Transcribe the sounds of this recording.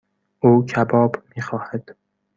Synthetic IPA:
ʔuːkʰæbɒːbmiːxɒːhæd̪̥

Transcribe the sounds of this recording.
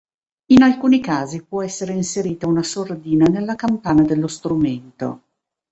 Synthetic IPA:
inalkuːnikaːzipwɔɛsːeɾeinseɾiːt̪aunasord̪iːnanelːakampaːnad̪elːost̪ɾument̪o̰

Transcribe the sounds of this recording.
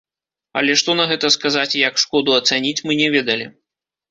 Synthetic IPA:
ɐ̰lʲɛʂt̪ɔnɐɣɛt̪ɐskazat͡sʲjɐkʂkɔd̪uɐt̪sanʲit͡sʲmɨnʲɛvʲɛd̪ɐlʲi

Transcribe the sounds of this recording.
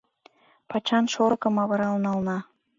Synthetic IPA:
pɑt͡ɕɑnʃoɾɤ̆kə̆mɑβɤɾɑlnɑlnɑ

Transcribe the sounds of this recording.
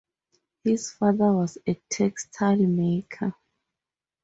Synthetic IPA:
hiz̥faðəwɔzetʰɛkstʰalmekʰə

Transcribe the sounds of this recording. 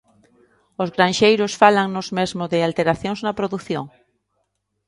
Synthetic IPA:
ʊzɣɾãnʃejɾʊsfalaŋnozmezmʊðɪalt̪eɾaθjõŋznɐpɾoðuθjo̰ŋ

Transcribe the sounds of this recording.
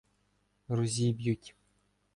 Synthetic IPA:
ruzʲibjutʲ

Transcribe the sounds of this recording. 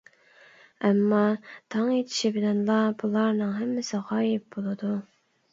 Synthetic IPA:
ɛmːɑt̪ʰɑŋet̪ʰɪ̥ʃibɪlɛnlˠɑbulˠɑɾnɨŋɦɛmːɪsɪʁɑːjɪp̚bolˠɨd̪u

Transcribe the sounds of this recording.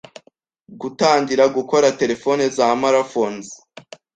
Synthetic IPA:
ɡutaːŋdiɾaɡuko̞ɾate̞ɾe̞fo̞nezaːmaɾafonzi

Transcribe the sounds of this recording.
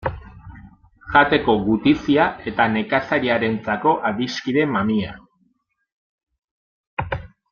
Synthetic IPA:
ʝat̪e̞ko̞ɣut̪isiae̞t̪ane̞kasaɾiaɾe̞nt͡sako̞ʔaðiskiɾe̞mamia

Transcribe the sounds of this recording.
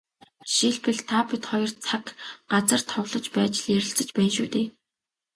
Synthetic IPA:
ʃiɮpɘ̆ɮt̪ʰapit̪χɔjɞ̆rt͡sʰakɢat͡sə̆r̥t̪ʰɔwɮɞ̆t͡ɕpæːt͡ɕɪ̆ɮjæɾʲɪ̆ɬt͡sə̆t͡ɕpæːnʃuːt̪eː

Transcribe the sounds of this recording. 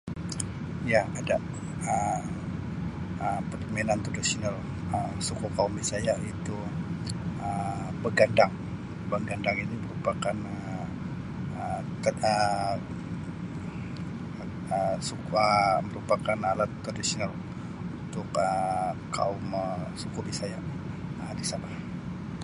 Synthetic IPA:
jaada | ə | əpərdomenant̪ɾadisonal | əsukukaumisajait̪u | əbəɡandaŋ | bəɡandaŋiniməɾupakanə | ət̪ə | əsukəməɾupakanalat̪ːɾadisinal | uunt̪ʊkəka̰uməsukubisajaʔ | ədisabah

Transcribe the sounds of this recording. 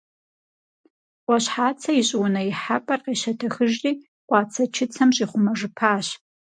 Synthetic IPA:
ʔʷaɕħaːt͡sʰɐiɕʼwʊnɐiħapʼɐrqeʃɐtʰɐxɨʒrʼiː | qʷʼɑːt͡sʰɐt͡ʃʰɪt͡sʰɐmɕʼiːχʷʊmɐʐɨpʰaːɕ

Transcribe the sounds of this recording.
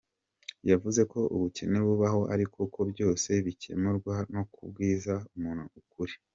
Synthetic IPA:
javuze̞ko̞ʔṵβuce̞ne̞βuβaɦo̞ʔaɾikʰukʰo̞bɟo̞ːse̞βicʰe̞̰muɾɡwano̞kubɡiːzaumuːn̥huukuɾi̥

